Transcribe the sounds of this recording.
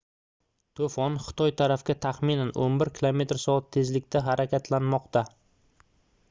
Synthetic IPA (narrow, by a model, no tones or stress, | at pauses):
t̪ʰofɒnχɨ̥t̪ʰɒjt̪ʰaɾafkʲat̪ʰaχmɪnanʔo̰nbɪɾkʲʰilˠome̞t̪ɾsɒat̪ʰːe̞zlɪkʲt̪ʰaɦaɾakʲat̪ʰlanmɒqt̪ʰa